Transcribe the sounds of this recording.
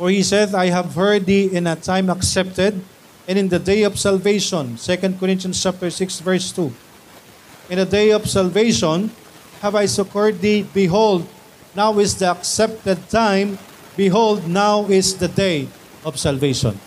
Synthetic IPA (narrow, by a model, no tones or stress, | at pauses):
fɔɹhisɛdajɦævhɜ˞d̪iɪ̃nɐt̪ʰãj̃mɐksɛp̚t̪ɛd̪̚ | ɛ̃nɪ̃nd̪ɐd̪ejɔv̥salveɪʃɔ̃nsɛkɐ̃nd̪̚kɔɾɪ̃nt̪jɐ̃nst͡ʃap̚t̪ɛɹsɪksvɛɹst̪u | ʔɪ̃nd̪əd̪ejɔvsalveɪʃɔ̃n | hɛvajsʊkɔɹd̪̚ðibɪɦold̪̚ | nawɪsd̪iɐksɛp̚t̪ɛd̪̚t̪ãjm | bɪɦold̪̚nawɪsd̪ɐd̪ej | ɔvsalveɪʃɔ̰̃n